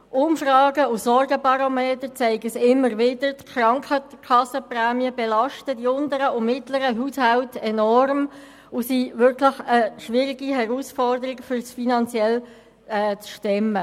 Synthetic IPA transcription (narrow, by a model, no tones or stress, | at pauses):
ʔʊmfrɑːɡəʊsɔrɡəpɑɾomeːtəɾt͡sɛɪɡəsɪmːəɾʋɪdəɾtkʰrɑŋkʰχəkʰɑsəpræːmiəbɛlɑʃtədiʊndəɾəʊmɪtləɾəɦushaʊtɛnɔrm | ʊsiʋʏɾkʰlɪχəʃʋɪːɾɪɡihɛʁusfɔrdəɾɪkfʏɾsfinɑnt͡sjɛl | ɛːt͡sʃtɛmə